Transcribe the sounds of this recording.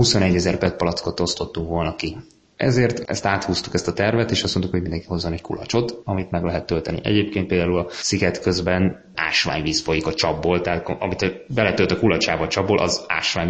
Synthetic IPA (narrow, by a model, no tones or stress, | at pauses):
husonɛɟːɛzɛrpɛt̪̚pɒlɒt̪skot̪o̞st̪o̞t̪ːuŋkʋo̞lnɒki | ɛ̰zeːrt̪ɛ̰st̪aːt̪huːst̪u̥kɛst̪ɒt̪ɛrvɛt̪eːʃɒst̪mo̞nt̪ukhoɟind̪ɛŋkiho̞zːonɛckṵlɒ̰t͡ʃo̞t̪ɒmit̪mɛɡlɛɦɛt̪ːølt̪ɛnḭʔɛ̰ɟeːp̚keːnt̪peːld̪aːulɒsiɡɛt̪køzbɛn | a̰ːʃʋa̰ːɲviːsfo̞jikɒt͡ʃɒbːoːlt̪ɛɦaːt̪ɒmit̪bɛlɛt̪ølt̪ɒkulɒt͡ʃaːbɒt͡ʃɒbːolʔɒ̰za̰ːʃʋaːɲ